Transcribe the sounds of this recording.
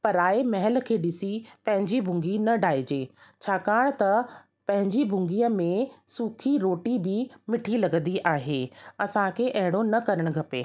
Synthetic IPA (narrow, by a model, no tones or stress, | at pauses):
pɐɾaːemɐɦəlkʰeːɗɪsipɐ̃ɦɪ̃ɲd͡ʑibʱʊ̃ŋɡinɐɖʱaːed͡ʑeːt͡ɕʰaːkaːɽ̃t̪ɐ | pɐ̃ɦɪ̃ɲd͡ʑibʱʊ̃ŋɡiəmẽsuːkʰiɾoːʈibɪmɪʈʰilɐɡnd̪iʔaːɦeːɐsãkʰeʔɐɦɪɽ̃onɐkɐɾəɽ̃ɡʱɐpḛː